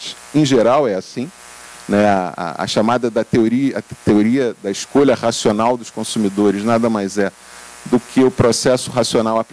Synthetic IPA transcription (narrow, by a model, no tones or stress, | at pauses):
t͡ʃɪ̥ | ẽʒeɾawɛasĩ | nɛaa̰ɐ̰ʃamad̪ɐd̪ɐt̪eoɾiɐt̪eoɾiɐd̪ɐɪʃkoʎɐχasionawd̪ʊʃkõsumid̪oɾɪznad̪ɐmajzɛ | d̪ʊkʰɪʊpɾosɛsʊɦasionawap